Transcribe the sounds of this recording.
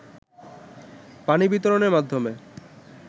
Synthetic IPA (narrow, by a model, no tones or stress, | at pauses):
panibit̪oɾoneɾmad̪ʱːome